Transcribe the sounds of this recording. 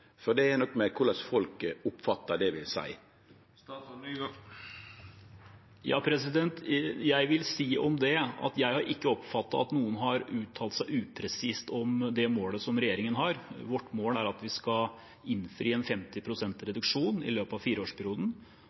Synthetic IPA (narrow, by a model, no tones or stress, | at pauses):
fɔd̪ɛɛnɔkːmɛkʰʊlɑsfɔlkʊpːfɑt̪ːɑd̪ɛʋɪ̰lsæ̰ɪ | jɑ̰ːpʰɾɛsɪd̪ɛnt̪jæɪʋɪlsiːʔɔmd̪ɛɑ̰t̪jæɪhɑɾʔɪkːəɔpfɑt̪ːɑɑt̪nuːənɦɑɾʉːt̪ʰːɑːlt̪sæɪʔʉːpʰɾɛsiːst̪ɔmd̪ɛmoːləsɔmɾɛjeːɾɪŋənɦɑɾʋɔʈːmoːlæɾɑt̪ʋɪskɑ | ɪnfɾiːɛnfɛmt̪ɪpʰɾʊsɛnt̪ɾɛd̪ʉkʂuːnɪ̰løːpɑʋfiːɾəoːʂpʰɛɾɪuːd̪n̩